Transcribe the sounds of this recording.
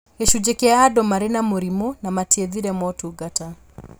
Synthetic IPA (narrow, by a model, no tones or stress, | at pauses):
eʃud͡ʒɛkɛadɔmaɾɛnamoɾimunamatiɛðiɾɛmɔtuɡata